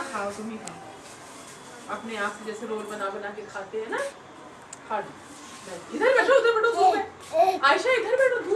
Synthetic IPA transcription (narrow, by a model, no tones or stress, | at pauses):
kʰaːd̪ʊmĩɦa | ɐpneaːpsed͡ʒɛːseɾoːlbɐnaːbɐnaːkekʰaːt̪eɦɛ̃na | kʰaːɽ | bɛɪd̪ʱəɾbɛːʈʰoɦot̪ẽbɛːʈõd̪uːmɛ̃ | aːɪʃaɪd̪ʱəɾbɛːʈʰod̪ʱuː